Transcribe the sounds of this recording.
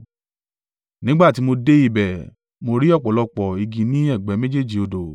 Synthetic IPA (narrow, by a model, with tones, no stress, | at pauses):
nĩ˨˦ɡ͡ba˦˨ti˨˦mo˧de˦i˧bɛ˨ | mo˧ɾi˦ɔ˦˨k͡pɔ˨˦lɔ˧k͡pɔ˨i˧ɡĩ˧nĩ˦ɛ˦˨ɡ͡bɛ˨˦me˦d͡ʒe˦˨d͡ʒi˨o˧do˨